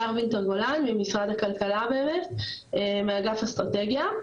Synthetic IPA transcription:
aʁvint̪eʁɡolanmimisʁad̪hakalkalabeʁet | emeaɡafast̪ʁat̪eɡja

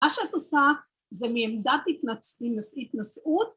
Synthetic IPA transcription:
aʃeat̪osa | zɛmiemd̪at̪it̪nat͡sminosit̪nosʔut̪̚

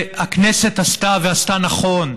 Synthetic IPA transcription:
hakneset̪ast̪aveast̪anaχo̞n

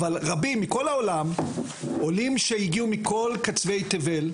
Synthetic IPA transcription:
valʁabimːiko̞laolam | o̞limʃejiɡiumikʰo̞lkat͡sve̞jt̪eve̞l

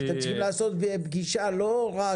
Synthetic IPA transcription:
at̪emt͡sə̥lχimlaːso̞t̪bebɡiʃaloʁa

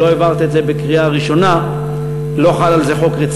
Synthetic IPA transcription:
oevaʁt̪edzebekʁiaʁiʃo̞na | lo̞χalalzeχo̞kʁet͡s

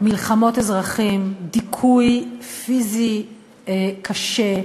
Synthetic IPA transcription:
milχamo̞tezʁaχimd̪ikʰujfizi | ekʰaʃe̞

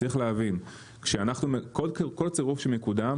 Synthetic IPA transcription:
iχleavin | kʃeanaχnumekolkko̞lt͡seʁufʃelmekud̪am

